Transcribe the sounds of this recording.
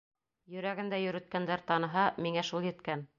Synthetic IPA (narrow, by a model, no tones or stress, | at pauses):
jɵ̆ɾæɡɘ̆nd̪æjɵ̆ɾɘ̆t̪̚kænd̪æɾt̪ɑnɤ̆ɦɑmiŋæʃulˠjɘ̆t̪kæn